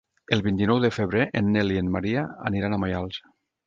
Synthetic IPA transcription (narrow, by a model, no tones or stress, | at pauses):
elˠβint̪inɔwðəfeβ̞ɾeʔenːelienmaɾiaa̰niɾanamajalˠs